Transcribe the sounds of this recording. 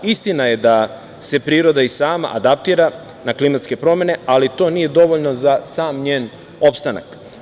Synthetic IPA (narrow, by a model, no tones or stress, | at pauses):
ist̪inaje̞d̪a | se̞pɾiːɾo̞d̪aisaːma̰ʔa̰d̪ap̚t̪iːɾa | naklimat̪ske̞pɾo̞mje̞ne̞alit̪o̞ːnije̞d̪o̞ʋoʎno̞zasaːmɲeːn | o̞pst̪ana̰k